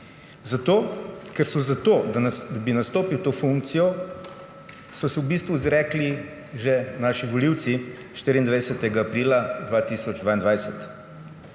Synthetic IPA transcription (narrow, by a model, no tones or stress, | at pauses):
zat̪oːkɛɾsɔzat̪oːd̪ad̪abinast̪oːpiwt̪oːfuŋk̚t̪sijɔ | sɔsɛwbiːst̪ʋuizɾɛːkli | ʒɛnaʃiʋɔliwt̪si | ʃt̪iɾind̪ʋajsɛt̪ɛɡaːpɾiːlad̪ʋaːt̪iːsɔd͡ʒd̪ʋaːind̪ʋajsɛt̪